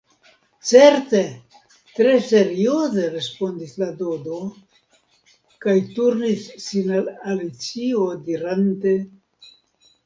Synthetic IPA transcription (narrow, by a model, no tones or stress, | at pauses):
t͡se̞ɾte̞ | t̪ɾe̞se̞ɾio̞ze̞ɾe̞spo̞ndislado̞do̞ | kajtuɾnisːinalalit͡siodiɾante̞